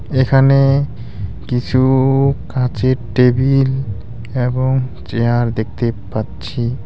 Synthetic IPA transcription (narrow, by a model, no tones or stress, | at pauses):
ekʰane | kit͡ɕʰukãt͡ɕeʈebil | eboŋt͡ɕeaɾd̪ek̚ʰt̪epatːt͡ɕʰi